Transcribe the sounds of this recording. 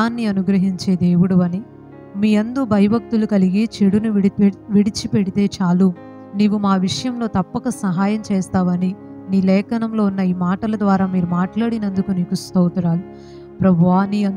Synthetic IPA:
aːnːiɐnuɡɾɐɦiɲt͡ʃe̞ːd̪e̞ːʋuɽuʋɐni | miːɐnd̪uːbʱɐjɐbɐk̚t̪ulukɐliɡit͡ʃeɽunuʋiɽit͡ʃipeɽit̪e̞ːt͡ʃaːlu | niːʋumaːʋiʂɐjɐmlo̞ːt̪ɐpːɐkɐsɐɦaːjɐmt͡ʃeːst̪aːʋɐni | niːlɛːkɐnɐmlo̞ːunːɐiːmaːʈɐlɐd̪ʋaːɾaːmiːɾumaːʈlaːɽinɐnd̪ukuniːkust̪oːt̪ɐɾaːli | pɾɐbʱaːniɐ

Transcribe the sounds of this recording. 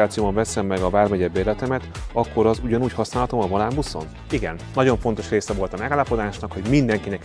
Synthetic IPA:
aːt̪sijoːbɒɱvɛsɛmːɛɡɒbaːrmɛɟɛbːeːlɛt̪ɛmɛt̪ɒkːo̞ɾɒzuɟɒnuːchɒsnaːlɦɒt̪o̞mɒvɒlaːmbuso̰n | iɡɛnnːɒɟo̞ɱfo̞nt̪o̞ʃreːsɛvo̞lt̪ɒmɛɡaːlːɒpo̞d̪aːʃnɒkho̞ɟmind̪ɛŋkinɛk

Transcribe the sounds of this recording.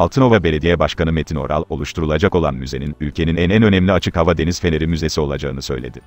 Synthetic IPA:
alˠt̪ʰɯno̞vabe̞lʲe̞d̪ijɛbaʃkanɯmet̪ʰino̞̰ɾʔa̰lˠo̞lˠuʃt̪ʰuɾulˠad͡ʒako̞lˠa̰nmyze̞ninylʲcʰe̞ninɛnɛænø̞nɛmlʲiat͡ʃʰɯkhavad̪e̞niz̥fe̞neɾimyze̞sio̞lˠa̰d͡ʒa̰ɯnɯsø̞jlʲed̪ɪ

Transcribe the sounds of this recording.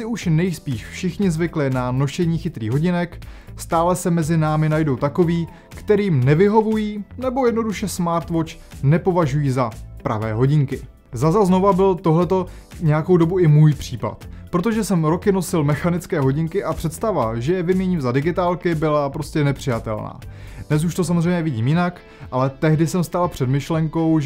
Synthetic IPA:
sɪuʃnɛjspiːʃfʃɪxɲɪzvɪklɪnano̞ʃɛɲiːxɪt̪ɾḭːɦo̞ɟɪnɛkst̪aːlɛsɛmɛzɪnaːmɪnajdo̞wt̪ako̞viː | kt̪ɛɾiːmnɛvɪɦo̞vujiːnɛbo̞jɛdno̞duʃɛsmaːɾt̪vo̞t͡ʃ | nɛpo̞vaʒujiːzapɾa̰vɛ̰ːɦo̞ɟɪŋkɪ | zazazno̞vabɪlt̪o̞ɦlɛt̪o̞ | ɲɛjakowdo̞buɪmuːjpr̝̥iːpa̰t̪pɾo̞t̪̬o̞ʒɛsɛmɾo̞kɪno̞sɪlmɛxanɪt͡skɛːɦo̞ɟɪŋkɪʔapr̝̥ɛt̪st̪avaʒɛjɛvɪmɲɛɲiːmzadɪɡɪt̪aːlkɪbɪlapɾo̞scɛnɛpr̥ɪjat̪ɛ̰lna̰ː | dnɛs̬uʃt̪o̞s̬amozrɛjmɲɛvɪɟiːmjɪnak | ʔalɛt̪ɛɦdɪsɛmst̪alapr̥ɛdmɪʃlɛŋko̞wʒ

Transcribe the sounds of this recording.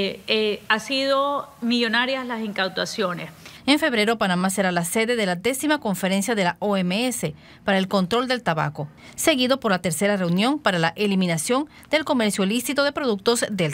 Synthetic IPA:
easiðomiʎo̞naɾjaslasiŋkawt̪wasjo̞neseɱfe̞βɾe̞ɾo̞panamase̞ɾalase̞ðe̞ðe̞lad̪e̞simako̞ɱfe̞ɾe̞nsjaðe̞laʔoemeese̞ | paɾaelko̞nt̪ɾo̞ld̪elt̪aβa̰ko̞ | se̞ɣiðo̞po̞ɾlat̪e̞ɾse̞ɾare̞unjo̞mpaɾalaʔelimĩnasjo̞n | d̪e̞lko̞me̞ɾsjolisit̪oðepɾo̞ðuk̚t̪o̞zd̪el

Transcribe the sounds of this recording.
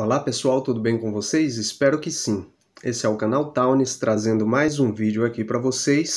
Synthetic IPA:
olapesuawt̪ud̪ʊbẽj̃kõvosejzɪspɛɾʊkɪsĩ | esɪɛʊkɐnawt̪awnɪst̪ɾazẽnd̪ʊmajzũvid͡ʒʊakipɾɐvosejs

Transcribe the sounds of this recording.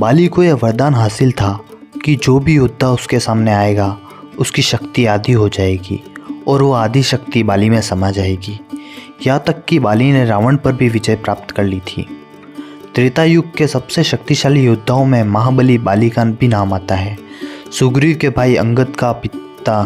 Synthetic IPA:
baːlikojeʋɐɾd̪aːnɦaːsɪlt̪ʰa | kid͡ʒoːbʱijʊd̪ʱːaʊskesaːmneaːeɡa | ʊskiʃɐkt̪iaːd̪ʱiɦod͡ʒaːeːɡḭːɔːɾʋoaːd̪ʱiʃɐkt̪ibaːlimẽsɐmad͡ʒaːeːɡiː | jɐt̪ɐkːibaːlineɾaːʋəɽpɐɾbʱiʋɪd͡ʒəjpɾaːp̚t̪kɐɾlit̪ʰḭː | t̪ɾɪt̪ajʊɡ̚kesɐbseʃɐk̚t̪iʃaːlijʊd̪ʱːaõmẽmɐɦãbəlibaːlikaːnbʱinaːmaːt̪aɦɛːsʊɡɾikebʱaːiɐ̰̃ŋɡət̪kapɪt̪a

